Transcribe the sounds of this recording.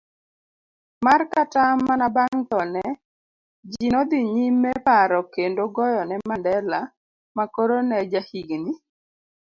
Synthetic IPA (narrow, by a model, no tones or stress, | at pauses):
markatamːanabaŋt̪ɔnɛ | d͡ʒinɔd̪iɲimːɛpaɾɔkendoɡɔjɔnɛmandɛla | makoɾonɛd͡ʒahiɡni